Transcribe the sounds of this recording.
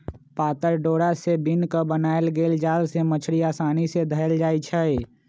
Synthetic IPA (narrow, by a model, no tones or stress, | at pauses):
paːt̪əɾɖoːɽasebinkəbənaːelɡeːld͡ʒaːlsemət͡ʃʰɾiaːsaːnised̪ʱəəld͡ʒaːit͡ʃʰəe